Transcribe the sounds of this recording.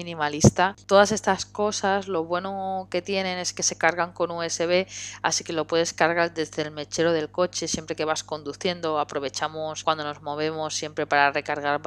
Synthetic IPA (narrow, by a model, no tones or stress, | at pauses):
minĩmalist̪at̪o̞ðase̞st̪asko̞sazlo̞β̞we̞no̞ke̞t̪je̞nẽ̞ne̞ske̞se̞kaɾɣaŋko̞nue̞se̞β̞e̞a̰sike̞lo̞pwe̞ðe̞skaɾɣ̞aɾðe̞zðe̞lme̞t͡ʃe̞ɾoð̞e̞lko̞t͡ʃe̞sje̞mpɾe̞ke̞βasko̞nd̪uθje̞nd̪o̞apɾo̞β̞e̞t͡ʃamoskwand̪o̞no̞zmo̞β̞e̞mo̞sːje̞mpɾe̞paɾare̞kaɾɣ̞aɾ